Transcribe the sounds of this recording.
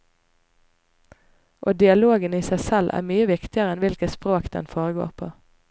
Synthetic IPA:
ʔoːd̪ɪɑloːɡəniːsæɪsɛlʔæ̰ːʁmyːəʋɪkt̪ɪəʁəɛnʋɪlkət̪spʁoːkd̪̥ɛ̰nfoːʁəɡo̰ːʁpʰo̰ː

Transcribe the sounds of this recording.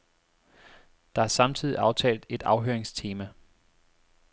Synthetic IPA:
d̥ɑ̈æɐsɑ̈mt͡sʰið̰ˠiʔɑ̈ʊt͡sʰɛ̰ːld̥e̝d̥ɑ̈ʊɦøɐeŋst͡sʰe̝ːmæ

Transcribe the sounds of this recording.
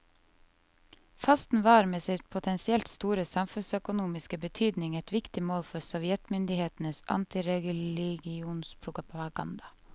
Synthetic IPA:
fɑst̪n̩ʋɑːɾmeːsɪt̪pʰʊt̪ʰɛnsɪɛlt̪st̪uːɾəsɑmfʉnsœkʊnuːmɪskəbət̪ʰyːd̪nɪŋɛt̪ʰʋɪkt̪ɪmoːlfɔɾsɔʋjɛt̪mʏnd̪ɪheːt̪n̩əsɑ̰nt̪ɪɾɛɡlɪɡɪuːnspʰɾʊkpɑɡɑ̰nd̪ɑ

